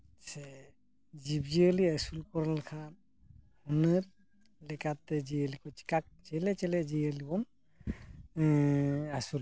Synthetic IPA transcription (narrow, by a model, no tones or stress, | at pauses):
sɛ | d͡ʒibd͡ʒiəliasulkɔɾalkʰan | hunɯɾ | lɛkat̪ːɛd͡ʒiəlikɔt͡ʃi̥kak̚t͡ʃɛlɛt͡ʃɛlɛd͡ʒiəlibɔn | asul